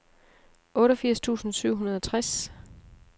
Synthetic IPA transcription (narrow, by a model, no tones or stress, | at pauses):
ʔɔ̽ːɾɒfiɐ̰st͡sʰṵːsn̩syʊ̰ɦunɐð̞ˠɒ̽t͡sʰʁas